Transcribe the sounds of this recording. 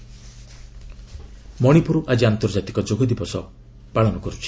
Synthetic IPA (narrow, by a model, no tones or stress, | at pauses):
mɔɽ̃ipuɾuʔad͡ʒiant̪ɔɾd͡ʒat̪ikɔd͡ʒoɡʱɔd̪ibɔsɔ | paɭɔnɔkɔɾut͡ʃʰi̥